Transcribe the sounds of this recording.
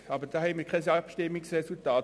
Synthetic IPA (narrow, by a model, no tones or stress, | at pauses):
ɑbəd̥ɑːhɛɪmiːkʰaɪsɑpʃtɪmːɪksresultɑːt